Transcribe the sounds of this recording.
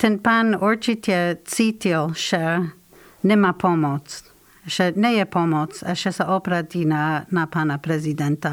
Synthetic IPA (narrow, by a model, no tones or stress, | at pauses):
t̪ʰɛnpanuɹt͡ʃitjɛt͡sit̪ilʃɛ | nɛmapʰɔmot͡s | ʃɛnɛjɛpʰomɔt͡saʃɛsaʔopɾat̪inanapanapɾɛzidɛnt̪a